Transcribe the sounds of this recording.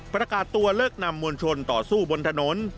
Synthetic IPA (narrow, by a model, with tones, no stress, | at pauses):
pɾa˧kaː˨˩t̪ːu˧ɐlɤː˥˩k̚na˧mːu˧ənt͡ɕʰo˧nt̪ɔː˨˩suː˥˩bo˧nt̪ʰa˧noː˩˦˥n